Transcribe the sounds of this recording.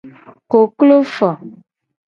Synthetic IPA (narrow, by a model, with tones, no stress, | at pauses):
ko˨klo˦fɔ˨